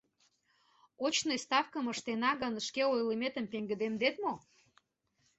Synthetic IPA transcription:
ot͡ɕnest̪ɑfkəməʃt̪enɑɣənʃkeojləmet̪əmpeŋɡə̆d̪emd̪et̪mo

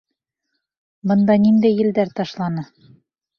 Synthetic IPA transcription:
bɤ̆nd̪ɑnind̪æjːɘ̆ld̪æɾt̪ɑʃlˠɑnɤ

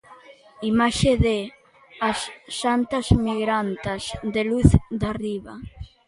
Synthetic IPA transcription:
imaʃeðe | asːant̪azmiɣɾant̪azd̪eluθd̪ariβa

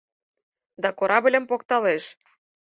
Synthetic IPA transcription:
d̪ɑkoɾɑbəlʲə̆mpokt̪ɑleʃ

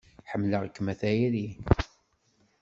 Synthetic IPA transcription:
ħəmːləʁəkːmæθæjɾi

